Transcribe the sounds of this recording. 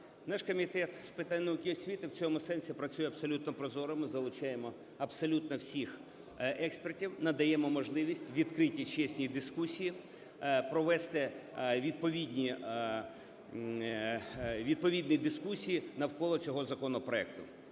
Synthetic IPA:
naʃkɔmʲit̪ɛt̪spɪt̪anʲːɔʊkʲiɔsʲʋʲit̪ɪwt͡sʲɔmʊsɛnʲsʲipɾɐt͡sʲujɛɐpsɔlʲut̪nɔpɾɔzɔɾɔmɪzɐlˠʊt͡ʃɛjemɔ | ɐbsɔlʲut̪nɔwsʲix | ɛkspertʲiwnɐd̪ɐjɛmɔmɔʒlˠɪʋʲisʲtʲʋʲid̪kɾɪtʲit͡ʃɛsʲnʲijid̪ɪskusʲiji | pɾɔʋɛst̪ɛʋʲid̪̚pɔʋʲid̪ʲnʲi | ʋʲid̪̚pɔʋʲid̪nɪjd̪ɪskusʲijinɐwkɔlˠɔt͡sʲɔɦɔzɐkɔnɔpɾɔɛk̚t̪ʊ

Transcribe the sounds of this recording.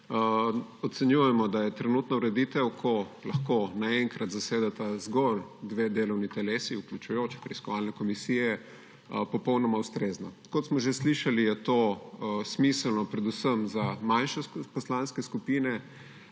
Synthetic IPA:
ɔt̪sɛnjujɛmɔd̪ajɛt̪ɾɛnut̪nauɾɛd̪iːt̪ɛwkʰɔlɐxkonaɛŋkɾat̪zaseːd̪at̪azɡɔld̪ʋed̪eːlɔwnit̪ɛleːsiuklʲut͡ʃujot͡ʃi̥pɾɛiskɔʋalnɛkɔmisijɛ | pɔpɔwnɔmaust̪ɾezna | kɔt̪smɔʒesliʃalijɛt̪osmislnɔpɾɛd̪usəmzamanʃɛpɔslanskɛskupiːnɛ

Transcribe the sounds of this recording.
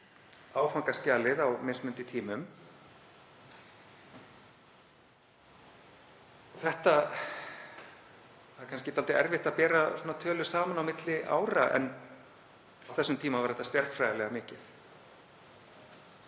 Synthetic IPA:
aːwfaŋkascaːlɪðawmɪnsmʏnt̪ɪt̪ʰiːmʏm | ɔθɛht̪a | aðɾkʰanscɪt̪alt̪ɪɛɾvɪht̪apɛːɾasuːnat̪ʰœːlʏ̥saːmanawmɪt̪lɪʔa̰ːwɾa̰ʔɛ̰n | awθɛsːʏmt̪ʰiːmavaɾθɛht̪ːast̪jɛɾt̪fɾaːjɣalɛɣamɪːcɪθ

